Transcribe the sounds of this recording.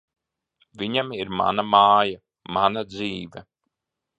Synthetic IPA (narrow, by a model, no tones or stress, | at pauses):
viɲamiɾma̰namaːja | manad̪ziːvɛ